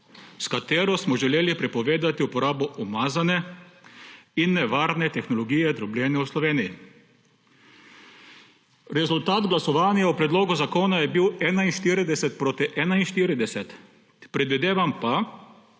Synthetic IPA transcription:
skat̪eːɾɔsmɔʒɛleːlipɾɛpɔʋeːd̪at̪iupɔɾaːbɔʔɔmaːzanɛ | inːɛʋaːɾnɛt̪ɛxnɔlɔɡiːjɛd̪ɾɔblʲjɛːnjɛwslɔʋeːniji | ɾɛzult̪aːd̪ɡlasɔʋaːnjaupɾɛd̪loːɡuzakoːnajɛbiwɛːnainʃt̪iːɾid̪ɛsɛt̪̚pɾoːt̪iʔɛːnainʃt̪iːɾid̪ɛsɛt̪ | pɾɛd̪ʋid̪eːʋampa

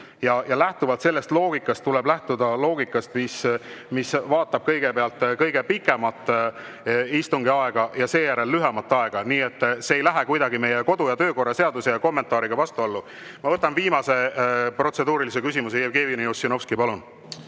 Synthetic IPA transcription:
jɑjɑlæht̪uvɑlt̪se̞lːe̞st̪lo̞ːɡ̥ikːˑɑst̪ːulɛblæht̪ud̪̥ɑlo̞ːɡ̥ikːˑɑst̪mismisvɑːt̪ːˑɑb̥̚kɤjɡ̥epeɑlt̪ːˑkɤjɡ̥e̞pikːˑe̞mɑt̪ːˑ | ist̪uŋɡiɑe̞ɡ̥ɑjɑse̞ːjæɾe̞lːyɦɛmɑt̪ːˑɑe̞ɡ̥ɑniːe̞t̪ˑːseːejlæɦekujd̪ɑɡime̞jeko̞d̪ujɑt̪ø̞ːko̞rːɑse̞ɑd̪use̞jɑko̞mːe̞nt̪ˑɑːɾiɡ̥ɑvɑst̪uolːu | mɑvɤt̪ːˑɑnviːmɑse̞pro̞t̪se̞d̪uːɾilis̬e̞kysʲimuseæbɡ̥eːviniosːinofskipɑlun

